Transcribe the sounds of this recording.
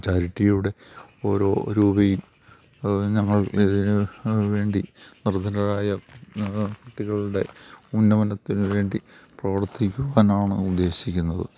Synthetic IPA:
t͡ɕaːɾiʈːijuɽe̞o̞ːɾo̞ːɾuːbɐjum | ɲɐŋːɐɭiðinɨʋe̞ːɳɖinird̪ʱɐɾɐɾaːjɐ | kuʈːiɣɐɭuɽe̞unːɐʋɐnɐt̪ːinɨʋe̞ːɳɖiprɐʋɐrt̪ːikʲːuɣaːnaːɳɨ̰ud̪ːe̞ːɕikʲːunːɐðɨ̰

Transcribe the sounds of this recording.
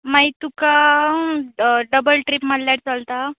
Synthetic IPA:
mait̪uka | ɖəbəlʈɾipməlːjaʈt͡salt̪a

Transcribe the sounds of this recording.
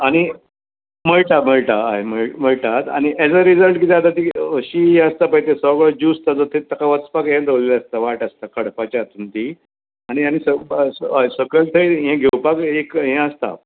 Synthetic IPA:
aɽ̃i | m̤əɭʈ̪am̤əɭʈ̪aːɦem̤əɭm̤əɭʈ̪at̪a̰ɽ̃iʔɛd͡zəɾid͡zəlʈkit̪ɛat̪at̪iəɕiɦɛ̃əst̪apəjt̪esɔɡɭəd͡ʑust̪ad͡zɔt̪ʰet̪akaʋət͡spakɦɛ̃d̪əʋleleəst̪aʋaʈəst̪akəɽpat͡ɕat̪unt̪i | aɽ̃iaɽ̃isəssəɡəlt̪ʰəjɦɛ̃ɡʱewpakekɦɛ̃əst̪a̰

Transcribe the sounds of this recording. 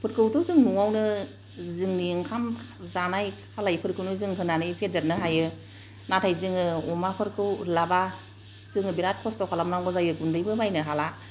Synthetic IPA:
pʰɯɾkʰɯwtʰɯzɯŋnuawnɯ | zɯŋniŋkʰamzanajkʰalajpʰɯɾkʰɯwnɯzɯŋɦɯnanɯjpʰedeɾnɯɦajɯ | natʰajzɯŋɯɔmapʰɯɾkʰɯwlaba | z̥ɯŋɯbiɾat̚kʰɔstɔkʰalamnaŋɡɔzajɯɡundɯjbɯbajnɯɦala

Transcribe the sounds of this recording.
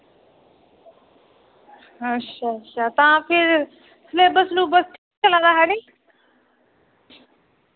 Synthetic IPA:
ətʃʰaːətʃʰaːt̪ãːpʰɪɾ | sleːbəsnũːbəsʈ̪ʰiːk̚t͡ʃəlãːd̪aːɦɛːɽiː

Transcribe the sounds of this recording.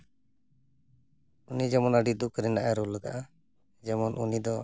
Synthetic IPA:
unid͡ʒɛmɔnaɖid̪ukʰɾɛnaʔaɾuləɡaʔa | d͡ʒɛmɔnʔunid̪ɔ

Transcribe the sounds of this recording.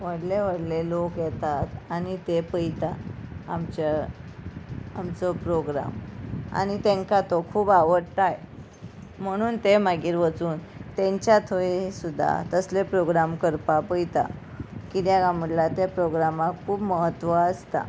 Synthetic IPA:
ʋəɽleʋəɽlelokjɛt̪at̪anit̪epəjt̪aːmt͡ɕa | amt͡sopɾoɡɾa̰ma̰nit̪ẽŋkat̪okʰuːbaʋəɽʈ̪aje | m̤əɽ̃uːnt̪emaɡiːɾʋət͡suːnt̪ẽɲt͡ɕjat̪ʰoesud̪ʱːa̰t̪əslepɾoɡɾamkəɾpapəjt̪a̰ | kid̪jaɡãm̤əɽlat̪japɾoɡɾamakkʰːuːbməɦət̪ːʋəəst̪a̰

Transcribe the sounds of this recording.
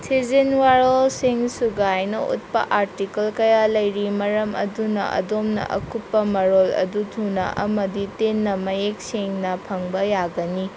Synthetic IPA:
tʰizinwaɾolsiŋsuɡajnɐṵt̚pɐ̰ʔaɾtikɐlkɐjalɐjɾimɐɾɐmɐ̰dunɐ̰ʔɐ̰domnɐ̰ʔɐ̰kupːɐmɐɾolɐ̰dutʰunɐ̰ʔɐmɐditenːɐmɐjek̚seŋnɐpʰɐŋbɐjaɡɐni

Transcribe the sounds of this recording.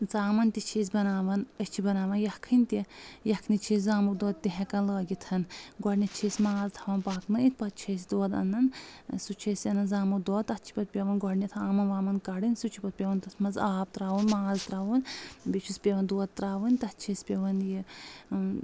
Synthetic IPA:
zaːmɐnt̪it͡ʃʰeːs̬ʲbɐnaːʋɐnət͡ʃʰibɐnaːʋɐnjɐkʰɨnʲt̪ijɐkʰnit͡ʃʰiːszaːmuk̚d̪oːt̪̚t̪iɦɛkɐnləːɡʲit̪ʰɐnɡɔɽnʲɐt͡ʃʰeːsʲmaːzt̪ʰɐʋɐnpaːknɐit̪̚ʰpɐt̪̚t͡ʃʰeːsʲd̪oːd̪ɐ̰nːɐnsut͡ʃʰeːsʲjɐnɐnzaːmud̪oːt̪ɐtt͡ʃʰi̥pɐt̪̚pʲeʋɐnɡɔɽnʲɐt̪ʰɐaːmɐnʋaːmɐnkɐɽɨnsut͡ʃʰipɐt̪̚pʲeʋɐnt̪ɐsmɐzaːp̚t̪ɾaːʋunmaːzt̪ɾaːʋunbit͡ʃʰuspʲeʋɐnd̪oːt̪̚t̪ɾaːʋɐnʲt̪ɐtt͡ʃʰeːsʲpʲeʋɐnji

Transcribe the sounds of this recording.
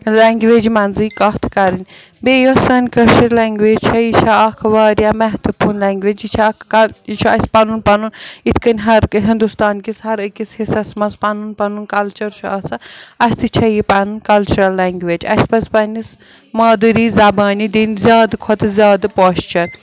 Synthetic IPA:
lɛŋɡʋeːd͡ʒmɐnzɨːkɐht̪ʰkɐɾɨnʲ | beːjɐsɐnʲkɐt͡ʃɐɾlaːŋɡʋeːd͡ʒt͡ʃʰɐjit͡ʃʰaɐkʰʋaːɾjamɛɦt̪upʰuːnlɛːŋɡʋeːd͡ʒit͡ʃʰakːɐt͡ʃʰuɐ̰sʲpɐnunpɐnunit̪ʰkɐnʲɦɐɾkɦind̪ust̪aːnkisɦɐɾɨkʲishisɐsmɐspɐnunpɐnunkɐlt͡ʃɐɾt͡ʃʰuɐsɐɐsʲt̪it͡ʃʰɐjipɐnunkɐlt͡ʃuɾɐlːaːŋɡʋeːd͡ʒɐ̰sʲpɐspɐnʲis | maːd̪ɨɾiːzɐbaːnid̪iːnʲzʲjaːd̪kʰɔt̪ɨzʲaːd̪poːʃt͡ʃɐɾ

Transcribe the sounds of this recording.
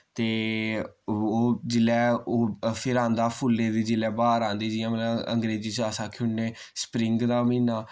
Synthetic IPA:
t̪eː | oːd͡ʒɪlɛːoːpʰɪɾãːnd̪aːpʰʊlːeːd̪iːd͡ʒɪlɛːbaːɾãːnd̪iːd͡ʒɪːãːmələbə̰ŋɡɾeːd͡ʒiːt͡ʃaːsãːkʰʊɳeː | spɾɪŋɡd̪aːmĩːnaː

